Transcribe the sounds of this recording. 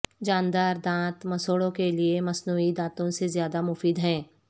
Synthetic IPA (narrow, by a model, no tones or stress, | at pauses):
d͡ʒãːnd̪aːɾd̪ãːt̪mɐsoːɽõkeliemɐsnuːid̪ãːt̪õsezjaːd̪amʊfiːd̪ɦɛ̃ː